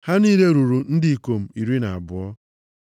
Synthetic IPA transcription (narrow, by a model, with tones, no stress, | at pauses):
ha˦niː˦ɾe˦ɾu˨ɾu˨n̩˦dɪ˨i˨ko˨m̩˨i˨ɾi˦na˨a̰˨bʊ˨ɔ˦